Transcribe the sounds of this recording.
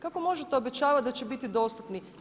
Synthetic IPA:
kako̞mo̞ʒet̪eobe̞t͡ɕaːʋat̪̚d̪at͡ɕebit̪id̪o̞ːst̪upni

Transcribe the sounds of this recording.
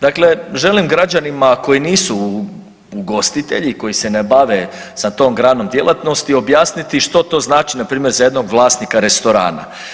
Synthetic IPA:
d̪akle̞ʒe̞limɡɾad͡ʑanimako̞jiniːsu | uɡo̞st̪it̪e̞̰ʎiko̞jise̞nebaʋe | sat̪o̞ːmɡɾaːno̞md̪je̞lˠʔat̪no̞st̪io̞bjaːsnit̪iʃt̪o̞t̪o̞ːznaːt͡ʃinapɾiːmje̞ɾzaje̞d̪no̞ɡʋlˠaːst̪nikaɾe̞st̪o̞ɾa̰ːna̰

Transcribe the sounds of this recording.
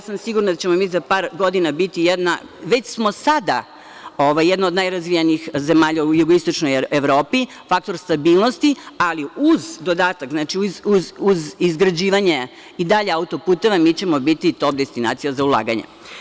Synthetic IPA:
jasamsiɡuɾnad̪at͡ɕe̞momizapaːɾɡo̞d̪inabit̪ijed̪na̰ | ʋe̞t͡ɕsmo̞sad̪a | oʋajːed̪nood̪najɾazʋijaniixzemaːʎaujuɡoist̪o̞t͡ʃnojeʋɾo̞ːpi | fak̚t̪o̞ɾst̪abiːlˠnost̪ialiuzd̪o̞d̪aːt̪akznat͡ʃiuzuzuzizɡɾad͡ʑiːʋaɲe̞ | id̪aʎeaut̪o̞puːt̪oʋamit͡ɕe̞mobit̪it̪op̚d̪est̪ina̰ːt̪sijazaulˠa̰ːɡa̰ɲḛ

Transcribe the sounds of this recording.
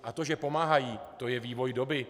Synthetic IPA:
ʔat̪o̞ʒɛpo̞maːɦajiːt̪o̞jɛviːvo̞jdo̞bɪ

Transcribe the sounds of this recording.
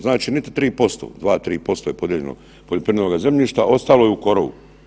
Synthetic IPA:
znaːt͡ʃiːnit̪i̥t̪ɾiːpo̞st̪o̰ːd̪ʋaːt̪ɾiːpo̞st̪oːjepo̞d̪jieʎḛno̰ | poʎopɾinenoɡaze̞mʎiːʃt̪aʔo̞st̪aːlojeuko̞ɾoʋṵ

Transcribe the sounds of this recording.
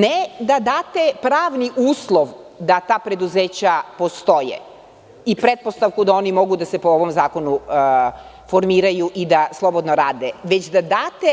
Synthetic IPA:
ned̪ad̪aːt̪epɾaːʋniʔuːslˠoʋ | d̪at̪aːpɾe̞d̪uzeːt͡ɕapo̞st̪o̞jḛ | ipɾet̪̚post̪aʋkud̪ao̞ːnimo̞ɡud̪ase̞pooʋo̞mzaːko̞nu | fo̞ɾmiːɾajuʔid̪aslˠo̞bo̞d̪noɾaːd̪eʋe̞t͡ɕd̪ad̪aːt̪e

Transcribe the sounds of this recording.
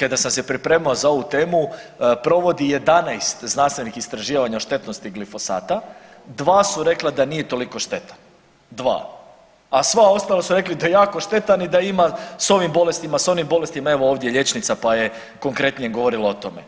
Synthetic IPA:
kad̪asamsepɾipɾe̞ːmaozao̞ʋut̪e̞ːmupɾo̞ʋo̞d̪ije̞d̪anajst̪znanst̪ʋenikist̪ɾaʒiːʋaɲaoʃt̪e̞t̪no̞st̪iɡlifo̞sa̰ːt̪a | d̪ʋaːsuɾe̞klad̪anije̞t̪o̞liko̞ʃt̪e̞t̪an | d̪ʋa̰ː | asʋao̞st̪alˠasuɾe̞klid̪ajejaːko̞ʃt̪e̞t̪anid̪aimaso̞ʋimbo̞le̞st̪imaso̞nimbo̞le̞st̪imae̞ʋo̞oʋd̪jeʎe̞t͡ʃnit̪sapaje | ko̞ŋkɾe̞t̪nijeɡoʋo̞ɾilˠaot̪o̞me̞

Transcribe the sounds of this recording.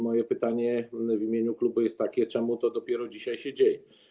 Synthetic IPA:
mɔjɛpɘt̪aɲɛvʲimʲjeɲuklubujɛst̪ːakʲɛt͡ʂɛmut̪ɔd̪ɔpʲjɛɾɔd͡ʑiɕajɕɛd͡ʑejɛ

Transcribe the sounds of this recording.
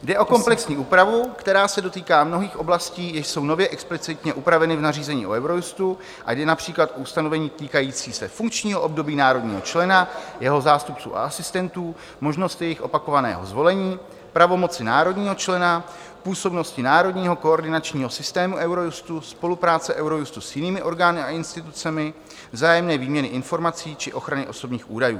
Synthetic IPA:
dɛʔo̞ko̞mplɛksɲiːʔuːpɾavukt̪ɛɾaːsɛdo̞t̪iːkaːmno̞ɦiːxʔo̞blasciːjɪʃso̞wnovjɛʔɛksplɪt͡sɪt̪ɲɛʔupɾavɛnɪvnariːzɛɲḭːʔoɛwɾo̞just̪u | ʔa̰jdɛnapr̝̥iːklat̪ʔoust̪ano̞vɛɲiːt̪iːkajiːt͡siːsɛfuŋkt͡ʃɲiːɦoʔobdo̞biːnaːɾo̞dɲḭːɦo̞̰t͡ʃlɛnajɛɦo̞zaːst̪up̚t͡sṵːʔa̰asɪst̪ɛnt̪uː | mo̞ʒno̞st̪ɪjɛjɪxʔo̞pako̞vanɛ̰ːɦo̞̰zvo̞lɛɲiː | pɾavo̞mo̞t͡sɪnaːɾo̞dɲiːɦo̞t͡ʃlɛna | puːso̞bno̞scɪnaːɾo̞dɲiːɦo̞ko̞oɾdɪnat͡ʃɲiːɦo̞sɪst̪ɛːmuʔɛwɾo̞just̪uspo̞lupɾaːt͡sɛʔɛwɾo̞just̪usjɪniːmɪʔo̞ɾɡaːnɪaɪnst̪ɪt̪ut͡sɛmɪ | vzaːjɛmnɛːviːmɲɛnɪʔɪnfo̞ɾmat͡siːt͡ʃɪʔo̞xɾanɪʔo̞so̞bɲiːxʔuːdajṵː

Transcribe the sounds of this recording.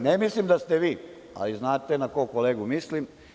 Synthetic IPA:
nemislimd̪ast̪eʋiː | a̰liznaːt̪enakokoleːɡumislim

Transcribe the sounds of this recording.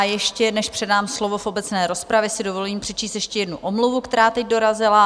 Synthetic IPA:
jɛʃcɛnɛʃpr̝̥ɛdaːmslo̞vo̞fʔo̞bɛt͡snɛːɾo̞spɾavjɛsɪdo̞vo̞liːmpr̥ɛt͡ʃiːst̪jɛʃcɛjɛdnuʔomluvukt̪ɛɾaːt̪ɛɟ̚do̞ɾazɪla

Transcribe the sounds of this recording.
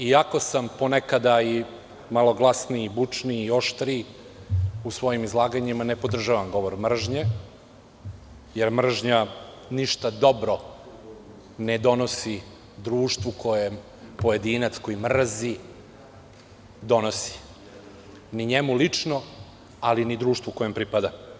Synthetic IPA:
iako̞samponekad̪ai | malˠo̞ɡlˠasniːbut͡ʂniːjo̞ʃt̪ɾiː | usʋo̞jimizlˠaːɡaɲimanepo̞d̪r̩ʒaʋamɡo̞ʋoɾmr̩ʒɲe | jeɾmr̩ʒɲa | niʃt̪ad̪o̞bɾo | ned̪o̞no̞si | d̪ɾuːʃt̪ʋukʰo̞jem | poje̞d̪inat̪sko̞jimr̩zi | d̪o̞nosi̥ | niɲemulit͡ʂno | alinid̪ɾuːʃt̪vʋukojempɾipad̪a

